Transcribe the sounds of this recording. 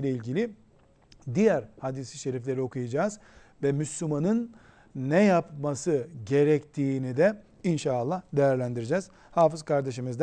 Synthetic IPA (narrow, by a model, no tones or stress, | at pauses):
lʲɛilʲɟilʲi | d̪ijæɾhad̪isiʃe̞ɾiflʲe̞ɾio̞kʰujad͡ʒaːz̥ | vɛmyslʲumanɯnː | ɛjapmasɯɟe̞ɾɛct̪ʰiːnid̪ɛ | inʃaːlˠːahd̪e̞jæɾlʲænd̪iɾid͡ʒɛːz̥ | haːfɯzkʰaɾd̪e̞ʃimizd̪